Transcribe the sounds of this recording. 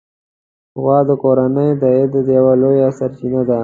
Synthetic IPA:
wɑːd̪əkoɾanəjd̪əed̪d̪jawalojasaɾt͡ʃinad̪a

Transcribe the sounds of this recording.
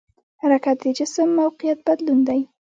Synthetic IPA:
haɾakat̪̚d̪əd͡ʒɪsəmːawqɪjat̪̚bad̪lund̪aj

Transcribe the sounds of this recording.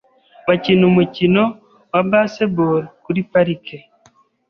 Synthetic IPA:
βacinumucino | wabaseboɾikuɾipaɾike

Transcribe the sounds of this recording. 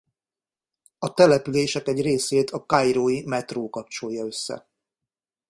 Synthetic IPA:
ɒt̪ɛlɛpyleːʃɛkɛɟreːseːt̪ʰɒkajɾoːjimɛt̪roːkɒp̚t͡ʃo̞jːɒø̞sːɛ̰

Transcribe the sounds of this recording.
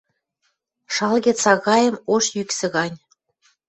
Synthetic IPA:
ʃɑlɣet͡sɑɣɑjə̆moʃjyksĕɣɑnʲ

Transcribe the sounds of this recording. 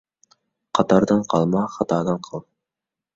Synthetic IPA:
qʰɑt̪ɑɾd̪ɑɴqʰɑlˠmɑχɑt̪ɑːd̪ɑɴqʰɑlˠ

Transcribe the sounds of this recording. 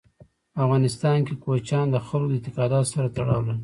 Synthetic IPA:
afɣɑnɪst̪ɑnkekot͡ʃɑnd̪əxəlod̪ət̪ɪkɑd̪ɑt̪saɾat̪aɽɑ̰wlə

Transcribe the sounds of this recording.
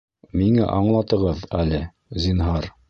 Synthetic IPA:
miŋæ̰ʔɑɴlˠɑt̪ɤ̆ʁɤðælɘ | zinɦɑɾ

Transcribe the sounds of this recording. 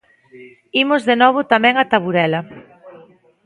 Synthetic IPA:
imʊzðenɔβ̞ʊt̪amɛ̃ŋat̪aβuɾɛlɐ

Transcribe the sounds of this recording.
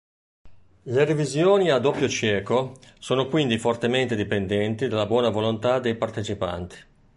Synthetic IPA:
lerivizjoːniad̪opːjot͡ʃɛːkosoːnokwind̪ifort̪ement̪ed̪ipend̪ɛnt̪id̪alːabwɔːnavolont̪ad̪ejpart̪et͡ʃipa̰nt̪i̥

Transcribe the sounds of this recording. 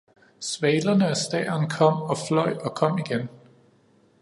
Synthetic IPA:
sʋɛːlɐnəæsd̥ɛ̰ːɐnkʰɒ̽m̰ɒ̽flɒ̽ɪ̰ɒ̽kʰɒ̽m̰iɡ̥en

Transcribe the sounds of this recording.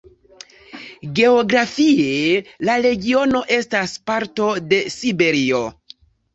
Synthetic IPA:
ɡe̞oɡɾafie̞laɾe̞ɡio̞no̞ʔe̞staspaɾto̞de̞sibe̞ɾio̞

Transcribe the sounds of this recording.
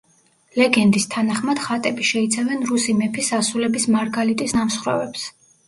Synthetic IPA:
lɛɡɛnd̪ist̪ʰanaχmad̪̥χat̪ʼɛbiʃɛit̪sʰavɛnɾusimɛpʰisasulɛbismaɾɡalit̪ʼisnamsχɾɔ̰vɛps

